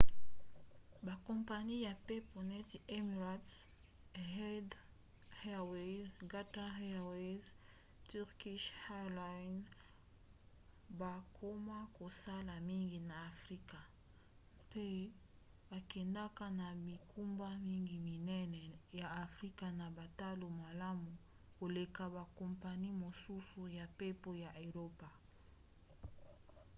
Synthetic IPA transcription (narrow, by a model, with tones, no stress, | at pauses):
ba˨kɔ˨mpa˨ni˦ja˨pe˦po˨nɛ˦ti˨e˦mi˨ʁa˨˦t | hɛ˦d | he˦we˦zɡa˦ta˦he˦˨we˦z | ty˦ʁki˦ʃha˦la˨˦n | ba˨kʰo˦ma˦ko˨sa˦la˨mi˦ŋɡi˨na˨a˨fʁi˦ka˨ | pe˦ | ba˨kɛ˨nda˦ka˦na˨bi˨kʰu˦mba˦mi˦ŋɡi˨mi˨nɛ˦nɛ˨ja˨a˨fʁi˦ka˨na˨ba˨ta˦lo˨ma˨la˦mu˨ | ko˨le˨ka˨ba˨kɔ˨mpa˨ni˦mo˨su˦su˨ja˨pe˦po˦ja˨ʔo˨ʁo˦pa˨